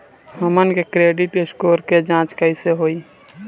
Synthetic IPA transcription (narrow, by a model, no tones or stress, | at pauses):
ɦəmənkekɾeːɖɪʈɪskoːɾked͡ʒãːt͡ʃkəɪseɦoːi